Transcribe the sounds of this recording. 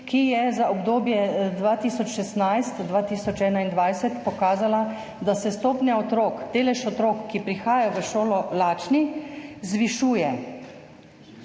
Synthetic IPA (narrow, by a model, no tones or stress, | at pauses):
kijɛzaɔbd̪oːbjɛd̪ʋaːt̪iːsɔt͡ʃʃɛst̪najst̪d̪ʋaːt̪iːsɔt͡ʃɛːnaind̪ʋajsɛt̪pɔkaːzala | d̪asɛst̪oːpnjaɔt̪ɾoːkd̪eːlɛʃɔt̪ɾoːkːipɾixaːjaʋəʃoːlɔlaːt͡ʃnizʋiʃuːjɛ